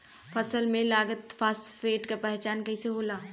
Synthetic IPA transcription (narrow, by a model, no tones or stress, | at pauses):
fʰɐsəlmẽlaːɡət̪faːsfeːʈkapɛɦt͡ʃaːnkɐɪseɦoːlaː